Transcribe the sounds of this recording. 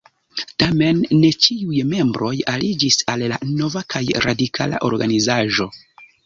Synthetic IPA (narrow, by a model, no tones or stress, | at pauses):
tame̞nːe̞t͡ʃiujme̞mbɾo̞jalid͡ʒisalːa̰no̞vakʰajɾa̰dikʰa̰la̰ʔo̞̰ɾɡanizaʒo̞